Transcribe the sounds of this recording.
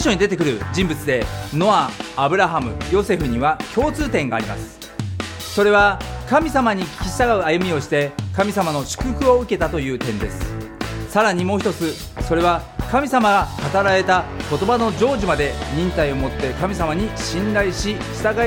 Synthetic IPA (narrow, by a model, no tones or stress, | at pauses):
ɕo̞ɲ̟id̪e̞t̪e̞kɯ̟ɾɯ̟d͡ʑĩmbɯ̟t͡sɨd̪e̞no̞aːbɯ̟ɾaɦamɯ̟jo̞se̞ɸɯ̟ɲ̟iβakʲo̞ːt͡sɨːt̪ẽ̞ŋɡa̰ːɾʲima̰sɨ̥ | so̞ɾe̞βakamʲisamaɲ̟ikʲi̥kʲi̥ɕi̥t̪aɡaɯ̟ajɯ̟mʲio̞ɕi̥t̪e̞kamʲisamano̞ɕɨ̥kɯ̟kɯ̟o̞ɯ̟ke̞t̪at̪o̞jɯ̟ːt̪ẽ̞nd̪e̞sɨ̥saɾaɲ̟imo̞ːçi̥t̪ot͡sɨ | so̞ɾe̞β̞akamʲisamaɡakat̪aɾaɾe̞t̪ako̞t̪o̞bano̞d͡ʑo̞ːʑimad̪e̞ɲ̟ĩnt̪aio̞mo̞t̪ːe̞kamʲisamaɲ̟iɕĩnɾaiɕi | ɕi̥t̪aɡa